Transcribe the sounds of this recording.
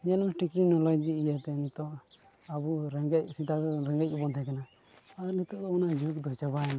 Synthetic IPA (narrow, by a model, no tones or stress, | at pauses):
janmɛʈikɾinɔlɔjd͡ʒiːjat̪ɛnit̪ɔ | abuɾɛŋɡɛc̚sit̪aɡɾɛŋɡɛc̚ɔbɔnt̪ʰɛkanaː | ɾnit̪ɔʔd̪ɔɔnad͡ʒuk̚d̪ɔjt͡ʃabaɛna